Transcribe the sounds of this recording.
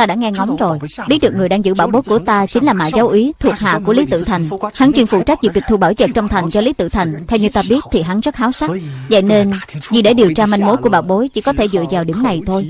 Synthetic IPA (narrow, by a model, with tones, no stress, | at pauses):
t̪aː˧ɗa̰ː˧˥ŋɛ˧ŋɔ˨˦wŋ͡mzo˨˩jɓi˦˥t̚ɗɨ˨˩əkŋɨ˨˩əjɗaː˧ŋzɨ̰˧˥ɓaː˧˩wɓo˨˦jku˧˩ət̪aː˧t͡ɕï˨˦ŋ̟laː˨˩ma̰ː˧˨jza˨˦wʔi˨˦t̪ʰu˨˩ək̚ɦa̰ː˧˨ku˧˩əli˨˦t̪ɨ̰˧˨t̪ʰa˨˩jŋ̟ha˨˦ŋt͡ɕwi˧nfṵ˧˩t͡ɕa˦˥k̚zɨ˨˩ki˨˩t̪ʰu˧˩ɓaː˧˩wzə̰˧˨˩n̚t͡ɕɔ˧wŋ͡mt̪ʰa˨˩ŋ̟t͡ɕɔ˧li˨˦t̪ɨ̰˧˨t̪ʰa˨˩jŋ̟t̪ʰɛ˧wɲɨ˧t̪aː˧ɓi˦˥ət̚t̪ʰi˨˩ɦa˨˦ŋzə˦˥t̚haː˨˦wsa˦˥t̚za̰˧˨jne˧nzi˨˩ɗe˧˩ɗi˨˩əwt͡ɕaː˧ma˧jŋmo˨˦jkəɓaː˧˩wɓo˨˦jt͡ɕḭ˧˩kɔ˨˦t̪ʰe˧˩zɨ̰˧˨zaː˨˩wɗi˧˩əmna˨˩jt̪ʰo˧j